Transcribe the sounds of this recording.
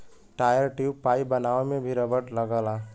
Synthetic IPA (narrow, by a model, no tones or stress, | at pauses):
ʈajəɾʈiwpaibənaemebʱiɾəbəʈləɡəla